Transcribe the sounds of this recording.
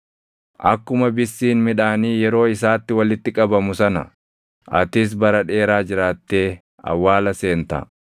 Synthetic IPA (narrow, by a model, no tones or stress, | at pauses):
ʔɐkːʊmɐbɪsːiːnmɪᶑaːniːjɛɾo̞ːɪsaːt̪ːɪwɐlɪt̪ːɪkʼɐbɐmʊsɐnɐ̰ | ʔɐt̪ɪs̬bɐɾɐᶑe̞ːɾaːd͡ʒɪɾaːt̪ːe̞ː | ɐ̰wːaːlɐse̞ːnt̪ɐ̰